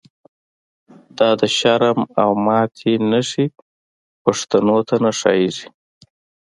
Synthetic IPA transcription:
d̪̥ɑd̪əʃaɾmawmɑt̪ʰinaʂi | paʂt̪anot̪ʰanaʂɑ̰jizi

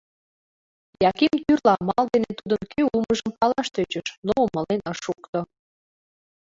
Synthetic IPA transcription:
jɑkimt̪yrlɑmɑld̪enet̪ud̪ənkʰøuməʒəmpɑlɑʃt̪øt͡ɕəʃnoomə̆lenəʃukt̪o

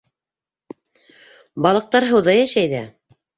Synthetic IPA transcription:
bɑlˠɤ̆q̚t̪ɑɾɦɤ̆wðɑjæʃæjðæ

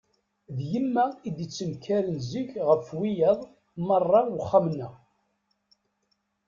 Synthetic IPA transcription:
ðjəmːæid̪ət͡sːənkʰːæɾənziçʁəfwijɑðˤ | mərˤːɑwχːamnːæ

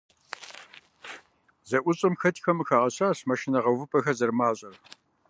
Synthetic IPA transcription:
zɐʔʷʊɕʼɨmxɐtʰxɐmɨxaːʁɐɕaːɕmɐʃɪnɐʁɐwvɨpʼɐxɐzɐrmaːɕʼɐr

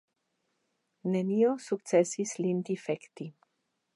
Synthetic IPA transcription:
neniosuk̚t̪t͡sesislind̪ifekt̪i

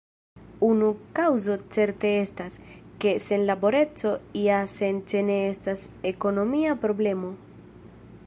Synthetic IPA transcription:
unukawzo̞t͡se̞ɾte̞estas | ke̞se̞nlabo̞ɾe̞t͡so̞iase̞nt͡ʃe̞ne̞estase̞ko̞no̞miapɾo̞ble̞mo̞

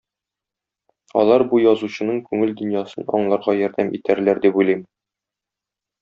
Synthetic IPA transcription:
ɒ̰lˠɑɾbujɒzuɕɤ̆nɤɴkʉŋɘld̪ɵ̆njɑsɤnɒ̰ɴlˠɑɾʁɑjɒɾd̪æmʔit̪æɾlæɾd̪ipulˠijm

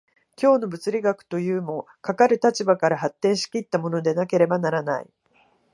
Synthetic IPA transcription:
kʲo̞ːno̞bɯ̟t͡sɨɾʲiɡakɯ̟̥t̪o̞jɯ̟ːmo̞ | kakaɾɯ̟t̪at͡ɕibakaɾaɦat̪ːẽ̞ɰ̃ɕi̥kʲit̪ːamo̞no̞d̪e̞nake̞ɾe̞banaɾanaḭ

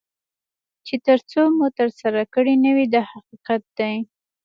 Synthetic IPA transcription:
t͡ʃet̪əɾt͡somut̪əɾsaɾakəɽinəwid̪ahaqiqat̪̚d̪aj

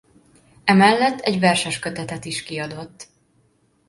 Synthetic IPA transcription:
ɛmɛlːɛt̪ʰːɛɟvɛrʃɛʃkøt̪ɛt̪ɛt̪iʃkiɒd̪o̞t̪ː

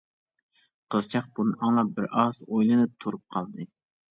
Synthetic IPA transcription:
qʰəzt͡ʃʰɑq̚bunɨɑŋlˠɑbɪɾɑzojlˠɨnɨp̚t̪ʰuɾup̚qʰɑlˠd̪ɨ

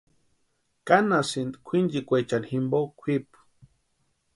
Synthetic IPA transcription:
kanasind̪kʷʰind͡ʒikʷet͡ʃanhimbokʷʰip

